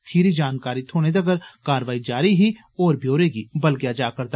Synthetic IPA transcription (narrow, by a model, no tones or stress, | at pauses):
kʰɪɾid͡ʒaːnkaːɾit̪ʰoːɽ̃ed̪ɐɡəɾkaːɾʋaːid͡ʒaːɾiɦi | ɔːɾbʱjoːɾekibɐlɡjad͡ʒaːkɐɾt̪a